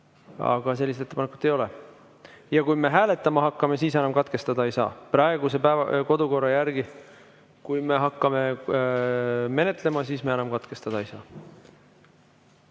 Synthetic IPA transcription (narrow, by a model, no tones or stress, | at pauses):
ɑ̰ɡ̥ɑs̬e̞lːiset̪et̪ːpɑnekːˑut̪ːˑe̞jo̞le | jɑkujme̞ɦæːle̞t̪ːˑɑmɑɦɑkːɑme̞siːsenɑmkɑt̪ke̞st̪ɑd̪̥ɑejsɑ̰ːprɑe̞ɡ̥use̞pæːvɑko̞d̪̥uko̞rːɑjærɡ̥i | kujme̞ɦɑkːɑme̞ | me̞ne̞t̪ˑle̞mɑsiːsmeenɑmkɑt̪ke̞st̪ɑd̪̥ɑejsɑː